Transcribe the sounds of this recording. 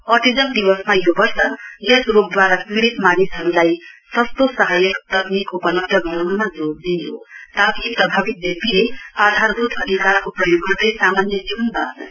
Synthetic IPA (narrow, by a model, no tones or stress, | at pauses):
ʌʈid͡zʌnd̪ibʌsmajobʌrsʌjesrok̚d̪waɾakiɽit̪manisɦʌɾulajsʌst̪osaɦajʌkt̪ʌknikopʌnʌʈ̪ʌɡʌanmad͡zoɾd̪ijo̰t̪apipɾʌbʱabit̪̚bepilead̪ʱaɾd̪ut̪ʰʌd̪ʱikaɾkoprʌjoɡbʌrd̪ʌjsamanjʌd͡zibʌnb̪ʱanʌ